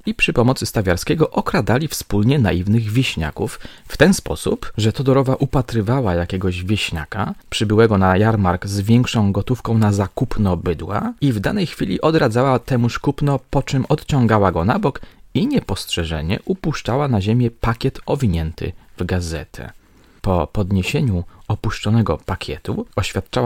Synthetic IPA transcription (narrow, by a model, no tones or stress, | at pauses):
ipʂɘpɔmɔt̪sɘst̪avʲjaɾskʲɛɡɔʔɔkɾad̪alʲifspulɲɛna̰ivnɘɣvʲeɕɲa̰kufːt̪ɛnspɔ̰sṵpʐɛt̪ɔd̪ɔɾɔvaʔupat̪ɾɘvawajakʲɛɡɔʑvʲjeɕɲa̰kapʂɘbɘwɛɡɔnajaɾmaɾɡzvʲjɛŋkʂɔ̃w̃ɡɔt̪ufkɔ̃w̃nazakupnɔbɘd̪wa̰ivd̪anɛjxfʲilʲiʔɔd̪ɾad̪zawat̪ɛmuʂkupnɔpɔt͡ʂɘmʔɔt̪t͡ɕɔ̃ŋɡawaɡɔnabɔkiɲɛpɔstʂɛʐɛ̰ɲɛ̰ʔupuʂt͡ʂawanaʑemʲjɛpakʲjɛt̪ɔvʲiɲɛnt̪ʰɘ̰vɡazɛ̰t̪ʰɛ̰ | pɔ̰pɔd̪ɲeɕeɲuɔpuʂt͡ʂɔnɛɡɔ̰pakʲʰjɛ̰t̪uɔɕfʲat̪̚t͡ʂawa